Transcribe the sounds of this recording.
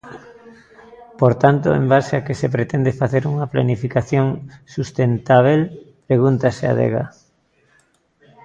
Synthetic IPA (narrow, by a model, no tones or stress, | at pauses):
poɾt̪ant̪oḛmbaseakesep̬ɾet̪ɛnd̪efaθeɾuŋɐplanifikaθjoŋsust̪ent̪aβ̞elpɾeɣunt̪asea̰ðḛɣa̰